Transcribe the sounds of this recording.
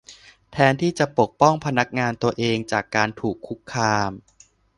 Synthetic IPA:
t̪ʰɛː˧nt̪ʰiː˥˩t͡ɕa˨˩po˨˩k̚pɔ˥˩ŋpʰa˧na˦˥k̚ŋaː˧nt̪u˧ɐʔeː˧ŋt͡ɕaː˨˩kːaː˧nt̪ʰuː˨˩kʰːu˦˥kʰːaː˧m

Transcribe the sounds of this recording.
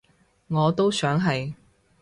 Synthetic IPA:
ŋɔː˨˧t̪o˥wsœː˨˥ŋɦɐ˨j

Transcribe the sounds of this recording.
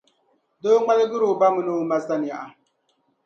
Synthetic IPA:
do˦ŋ͡ma˦lɡɨ˦ɾo˨ba˦mɨ˨no˦ma˨sa˦ni˨ja˨ʔa˨

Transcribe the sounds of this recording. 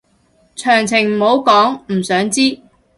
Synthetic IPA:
t͡ʃʰœː˨˩ŋt͡sʰɪ˨˩ŋm̩˨˩ho˨˥wkɔː˨˥ŋm̩˨˩sœː˨˥ŋt͡siː˥

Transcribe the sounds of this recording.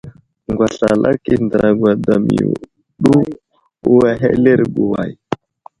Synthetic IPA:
ŋɡʷwa˨ɬa˨lʔa̰˦ki˨ndə˨ɾa˨ɡwa˨da˨mḭ˨ṵ˨ | ɗu˦ | u˦wa˨ɦḛ˦le˦ɾɡu˨wa˨j

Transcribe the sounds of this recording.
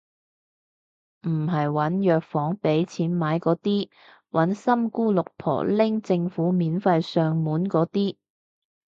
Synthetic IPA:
m̩˨˩ɦɐ˨jwɐ˨˥njœː˨k̚fɔː˨˥ŋpe˨˥jt͡sʰiː˨˥nmaː˨˥jkɔː˨˥t̪iː˥ | wʔɐ˨˥nsɐ˥mkuː˥lʊ˨k̚pʰɔ̰ː˨˩lɪ˥ŋt͡sɪ˧ŋfuː˨˥miː˨˥nfɐ˧jsœː˧ŋmuː˨˥nkɔː˨˥t̪iː˥

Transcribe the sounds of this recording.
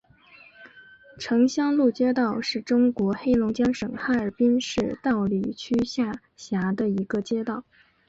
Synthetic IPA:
ʈ͡ʂʰɤ˧˥ŋɕjɑ˥ŋlu˥˩t͡ɕjɛ˥t̪ɑ˥˧ʊʂɻ̩˥˩ʈ͡ʂʊ˥ŋkwɔ˧˥xe˥ɪlʊ˧˥ŋt͡ɕjɑ˥ŋʂɤ˨˩ŋxa˥˩ə˞˨˩pi˥nʂɻ̩˥˧t̪ɑ˥˧ʊli˨˩t͡ɕʰy˥ɕja˥˩ | ɕja˧˥d̪ə˧i˧˥ɡə˧t͡ɕjɛ˥t̪ɑ˥˩ʊ

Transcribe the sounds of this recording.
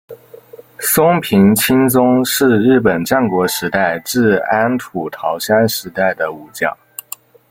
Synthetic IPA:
sʊ˥ŋpʰi˧˥ŋt͡ɕʰi˥nt͡sʊ˥ŋʂɻ̩˥˧ɻɻ̩˥˩p̬ə˨˩nʈ͡ʂa˥˩nkwɔ˧˥ʂɻ̩˧˥t̪a˥˩ɪʈ͡ʂɻ̩˥˧a˥nt̪ʰu˨˩t̪ʰɑ˧˥ʊɕa˥nʂɻ̩˧˥t̪a˥˩ɪd̪ə˩u˨˩t͡ɕjɑ̰˥˩

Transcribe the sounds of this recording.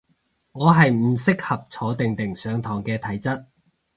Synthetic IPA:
ŋɔː˨˧ɦɐ˨jmm̩˨˩sɪ˥k̚hɐ˨p̚t͡sʰɔː˨˥t̪ɪ˨ŋt̪ɪ˨˩ŋsœː˨˧ŋt̪ʰɔː˨˩ŋkɛː˧t̪ʰɐ˨˥jt͡sɐ˥t̚

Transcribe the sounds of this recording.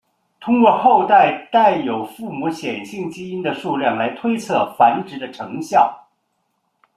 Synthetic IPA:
t̪ʰʊ˥ŋkwɔ˥˧xo˥˧ʊt̪a˥˩ɪt̪a˥˩ɪjo˨˩ʊfu˥˩mu˧˥ɕjɛ˨˩nɕi˥˩ŋt͡ɕi˥i˥nd̪ə˨ʂu˥˧lja˥˩nla˧˥ɪt̪ʰwe˥ɪt͡sʰɤ˥˩fa˧˥nʈ͡ʂɻ̩˧˥d̪ə˧ʈ͡ʂʰɤ˧˥ŋɕjɑ˥˩ʊ

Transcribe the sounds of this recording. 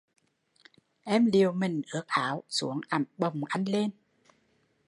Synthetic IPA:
ʔɛ˧mli˨˩əwmï˨˩ŋ̟ʔɨ˨˦˥ək̚ʔaː˨˦wsṵ˧˦əŋʔa˨˧˩mɓə˨˩wŋ͡mʔa˧jŋ̟le˧n

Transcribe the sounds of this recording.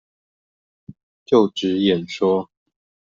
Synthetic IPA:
t͡ɕjo˥˨˩ʊʈ͡ʂɻ̩˨˦jɛ˨˩nʂwɔ˥

